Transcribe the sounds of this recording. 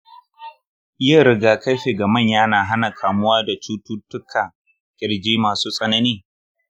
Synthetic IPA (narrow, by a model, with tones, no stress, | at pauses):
jaː˦˨ɾɪ˦ɡaː˨kɐ˦ɸeː˨ɡɐ˨mɐ˦˨ɲjaː˦naː˨ɦa˦na˨kʰaː˨mʊ˦waː˦da˨t͡ʃuː˦tuː˦tʊ˦kʰa˨ | kʲʼɪ˨ɽd͡ʒiː˦maː˨suː˦sʼɐ˦nɐ˦niː˦